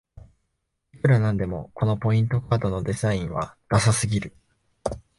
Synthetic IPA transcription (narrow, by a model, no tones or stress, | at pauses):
ikɯɾanãnd̪e̞mo̞̰kʰo̞no̞po̞ĩnt̪o̞kaːd̪o̞no̞d̪e̞zaĩɰ̃βa̰d̪̥asasɨɡʲiɾɯ̟